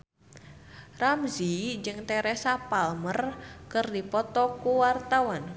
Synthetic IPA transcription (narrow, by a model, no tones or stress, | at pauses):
ramzid͡ʒɨŋt̪ɛɾɛsapalmərkərdipɔt̪ɔkuwart̪awan